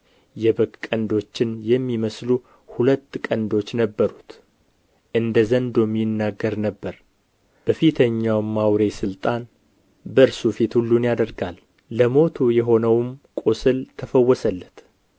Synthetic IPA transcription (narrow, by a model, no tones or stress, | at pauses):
jɛbɨkkʼːənd̪o̞t͡ʃːɪnjɛmːiməslu | hulət̪ːkʼənd̪o̞t͡ʃːnəbːəɾut̪ | ʔɨnd̪əzənd̪o̞mːijɪnːaɡːəɾnəbːəɾ | b̥əfit̪ʰəɲːawmːawɾe̞sɨlt̪ʼan | bəɾsufit̪hulːunjad̪əɾɡalː | əmo̞t̪ʰujɛɦo̞nəwmkʼosɨlt̪ʰəfəwːɔsəlːət̪